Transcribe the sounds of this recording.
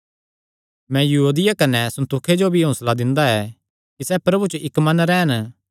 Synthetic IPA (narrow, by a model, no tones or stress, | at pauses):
mɛ̃jɐɦuːd̪ɪjakɐnɛsɐ̃nt̪ukʰed͡ʒobʱiɦõːslad̪ɪ̃nd̪aɛː | kisɛpɾɐbut͡ʃoʔɪkmɐnɾɛːn